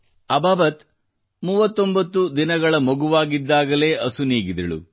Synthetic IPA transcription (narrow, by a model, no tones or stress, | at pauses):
ɐbaːbɐt̪ | muːʋɐt̪ːo̞mbɐt̪ːud̪inɐɡɐɭɐmɐɡuʋaːɡid̪ːaːɡɐle̞ːʔɐsuniːɡid̪ɐɭṵ